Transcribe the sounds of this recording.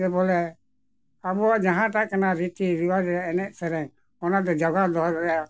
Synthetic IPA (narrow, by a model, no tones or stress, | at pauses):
bɛbɔlɛ | abuad͡ʒaɦãt̪aʔkənaɾit̪iɾiwaɾɾɛɛnɛʔsɛɾɛŋ | ɔnad̪ɛd͡ʒaɡad̪ɔɦɾɔɾɛja